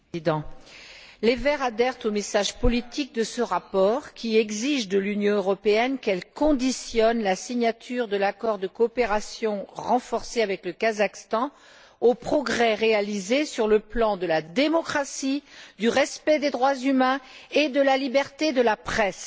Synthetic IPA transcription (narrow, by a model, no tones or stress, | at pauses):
id̪ɑ̃ | levɛʁad̪ɛʁt̪omesaʒpɔlit̪ʰik̚d̪əsəʁapɔʁkʲʰiɛɡziʒd̪əlynjɔ̃øʁɔpeɛnkɛlkɔ̃d̪isjɔnlasiɲat̪ʰyʁd̪əlakɔʁd̪əkɔːpeʁasjɔ̃ʁɑ̃fɔʁseavɛkləkazakst̪ɑ̃ | opχɔɡʁɛʁealizesyʁləplɑ̃d̪əlad̪emɔkχasid̪yʁɛspɛd̪ed̪ʁwazymɛ̃ed̪əlalibɛʁt̪ed̪əlapχɛs